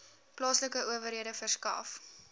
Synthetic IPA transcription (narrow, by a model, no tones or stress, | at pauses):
plɑːsləkəʔuəvəɾɦiədəfərskɐ̰f